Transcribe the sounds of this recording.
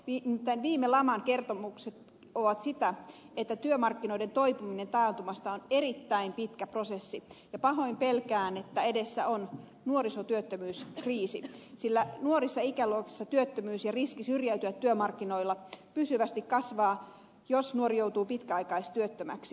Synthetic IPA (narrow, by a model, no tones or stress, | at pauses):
it̪ænʋiːmelɑmɑŋkert̪omukset̪ | oʋɑt̪sit̪æ | et̪ːæt̪yømɑrkːinoide̞nt̪oipumine̞nt̪ɑːnt̪umɑst̪ɑonerit̪ːæimpit̪kæprosesːijɑpɑɦoimpelkæːnet̪ːæedesːæ̰on | nuoɾisot̪yøt̪ːømyːskriːsisilːænuoɾisːɑikæluokisːɑt̪yøt̪ːømyːsjɑriskisyrjæyt̪yʋæt̪t̪ːyømɑrkːinoilːɑpysyʋæst̪ikkɑsʋɑː | josnuoɾijowt̪uːpit̪kæɑijkɑist̪yøt̪ːømæ̰ksi̥